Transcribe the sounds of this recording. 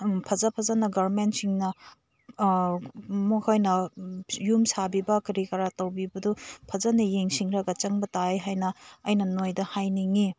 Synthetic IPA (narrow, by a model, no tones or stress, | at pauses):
pʰɐzapʰɐzanɐɡaɾmentsiŋnɐ | mokʰajnɐjumsabibɐkɐɾikɐɾatɐwbibɐdupʰɐzanɐjeŋsiŋɾɐɡɐt͡ʃɐŋbɐtajɦajnɐːjnɐnojdɐhajniŋi